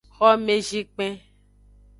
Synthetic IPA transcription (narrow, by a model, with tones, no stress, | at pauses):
xɔ˦mẽ˦d͡ʒi˦k͡pẽ˦